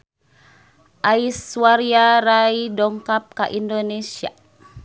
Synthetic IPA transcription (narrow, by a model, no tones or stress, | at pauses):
ʔaiswaɾiaɾajdɔŋkap̚kaʔindonesia̰